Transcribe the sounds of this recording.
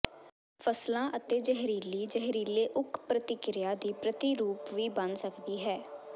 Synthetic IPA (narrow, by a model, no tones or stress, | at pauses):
pʰəslãːʔət̪eːd͡ʒɛɦɾiːliːd͡ʒəɦɾiːleːʔʊkpɾət̪ɪkɾɪjaːd̪iːpɾət̪iːɾuːpʋiːbənsəkd̪iːɦɛː